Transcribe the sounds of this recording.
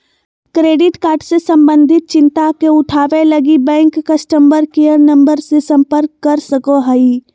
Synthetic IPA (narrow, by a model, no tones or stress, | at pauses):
kɾeːɖɪʈkaːɾʈsesə̃mbə̃nd̪ʱɪt̪̚t͡ʃɪ̃nt̪akeʊʈʰaːʋelɐɡibɛ̃ːŋkːəsʈəmbəɾkejəɾnə̃mbəɾsesə̃mpəɾkːəɾsəkoɦəi